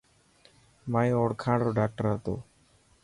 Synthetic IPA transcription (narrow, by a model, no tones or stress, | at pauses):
maːj̃oːɽkʰãːɽɾoːɖaːk̚ʈəɾɦət̪o̰ː